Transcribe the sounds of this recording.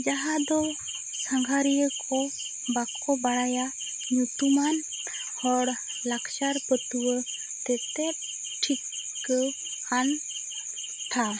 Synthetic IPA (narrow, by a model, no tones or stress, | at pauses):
d͡ʒaɦãd̪o | səŋɡʱaɾijəkʰo | bakʰːobaɽaja | njut̪uman | ɔɾ | lakʰʃaɾpət̪uwə | t̪ɛt̪e | ʈʰikː | an | t̪ʰa